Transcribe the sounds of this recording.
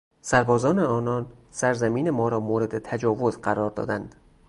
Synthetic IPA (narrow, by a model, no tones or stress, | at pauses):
sæɾbɒːzɒːne̞ɒːnɒːnsæɾzæmiːne̞mɒːɾɒːmoːɾe̞d̪e̞t̪ʰæd͡ʒɒːvo̞zɢæɾɒːɾd̪ɒ̰ːd̪ænd̪̥